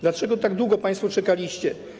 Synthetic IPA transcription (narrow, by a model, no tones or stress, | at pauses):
d̪lat͡ʂɛɡɔt̪aɡd̪wuɡɔpãj̃st̪fut͡ʂɛkalʲiɕt͡ɕɛ